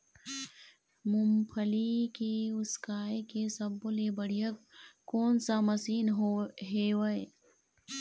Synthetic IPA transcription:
mʊmpʰəlikiʊskaːekesɐbːolebəɽ̤ijəkːoːnsaməsiːnɦewəe

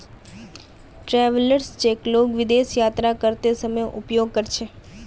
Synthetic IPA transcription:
ʈɾɛʋələɾst͡ʃekloɡʋɪd̪eʃjat̪ɾakəɾt̪esəməjʔṵpjoɡ̚kəɾt͡ʃʰe

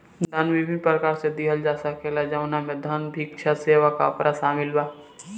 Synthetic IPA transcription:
dd̪ʱɐnʋibʱĩnpɾəkaːɾsed̪iɦəld͡ʒaːsakelad͡ʒawnamẽd̪ʱənbʱikʃʰaseːʋaka̰pɾʔasaːmɪlbaː

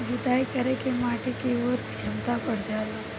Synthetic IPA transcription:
d͡ʒid̪aːjkɐɾekemaːʈekeoːɾkt͡ʃʰɐmt̪apɐɽ̤d͡ʒaːla

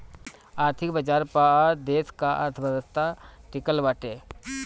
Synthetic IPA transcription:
aːɾt̪ʰɪkbəd͡ʒaːɾpad̪eːskaʔa̰ɾt̪ʰəbəd̪əst̪aʈɪkəlʋaːʈeː

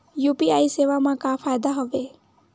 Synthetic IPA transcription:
jupiaiseʋamãkafajd̪aɦɔʋe

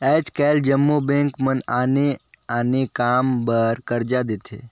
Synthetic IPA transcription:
ɛːt͡ʃkɛːld͡ʒəmːobẽŋkmənaːne | aːnekaːmbəɾkəɾd͡ʒad̪et̪ʰḛ

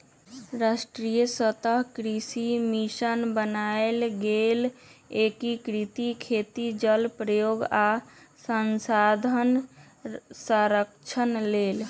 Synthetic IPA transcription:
ɾasʈɾijəsət̪əɦkɾisimisənbənaelɡelekikɾit̪ikʰet̪id͡ʒəlpɾəjoɡa | sənsad̪ʱən | səɾəkt͡ʃʰənlel

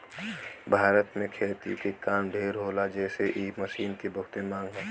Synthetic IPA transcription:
bʱaːɾət̪mẽkʰeːt̪ḭkekaːmɖʱeːɾɦoːlad͡ʒɛːseʔiːməsiːnkebəkt̪emãːŋɡɦɛ̃ː

